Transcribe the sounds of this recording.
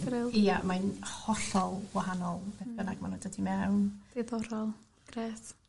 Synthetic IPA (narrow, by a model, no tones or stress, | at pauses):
ɾɪlˠijamajnhɔɬɔlˠwaɦanɔlˠbɛb̥ənaɡmanundədimɛwnd̥eðɔɾɔlˠ | ɡ̥ɾeːt